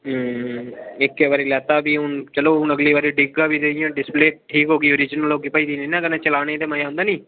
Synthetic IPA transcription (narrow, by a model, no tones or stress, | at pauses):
ɪkːeʋaːɾiːlɛːt̪aːbiːʊnt͡ʃəloːʊnəɡliːʋaːɾiɖɪɡaːbiːd̪eːijãːɖɪspleːʈʰiːkɦoːɡiːoɾiːd͡ʒnəlɦoːɡiːpəiːd̪iːneːnãkənẽt͡ʃəlaːɽ̃eːd̪eːmajaːɦʊ̃nd̪aːniː